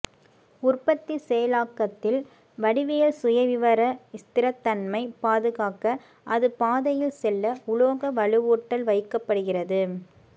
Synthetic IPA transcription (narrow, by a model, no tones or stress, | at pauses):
ʊrpɐt̪ːisɛjɐlaːkːɐt̪ːɪl | ʋɐɽɪʋɪjɐlsʊjɐʋɪʋɐɾɐɪst̪ɪɾɐt̪ːɐnmɐɪpaːðɯɣaːkɐ | ʔɐðɯpaːðɐjɪlsɛlːɐʊɭoːɣɐʋɐɭɯʋuːʈːɐlʋɐɪkːɐpːɐɽɯɣɪrɐðɯ